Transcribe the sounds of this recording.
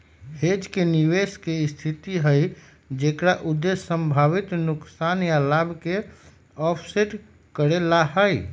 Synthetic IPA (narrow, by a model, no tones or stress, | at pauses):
hed͡ʒkeniʋeskest̪ʰit̪iɦəj | d͡ʒekɾaʔud̪ːesːə̃mbʱaβit̪nʊksanjalabʱke | ɔpʰseʈ | kəɾelaɦəj